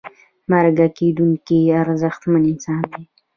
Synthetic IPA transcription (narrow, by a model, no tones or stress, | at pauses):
maɾɡaked̪uŋkiaɾzəxt̪manɪnsɑnd̪i